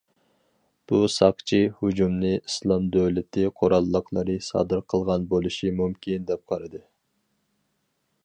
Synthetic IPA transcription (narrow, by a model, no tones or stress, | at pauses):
b̥usɑqt͡ʃʰihud͡ʒumnɨislˠɑmd̪øwlɪt̪ʰɪqʰoɾɑlˠːəqʰlˠɨɾɨsɑ̰d̪ɨɾqʰəlˠʁɑnbolˠuʃimumkʲʰind̪ɛp̚qʰɑɾɨd̪ɨ